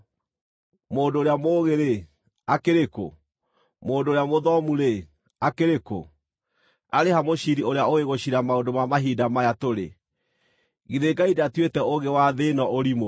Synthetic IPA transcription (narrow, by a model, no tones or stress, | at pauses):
moːdoːɾeamoːɣeɾe | akeɾeko̰ | moːndoːɾeamoðɔmuɾe | akeɾeko̰ | aɾehamoɕiɾioɾeaoɣeɣoɕiɾamaondomamaɦiːdamajatoɾḛ | ɣiðeɡaidatwetɛoɣewaðenɔʔoɾimo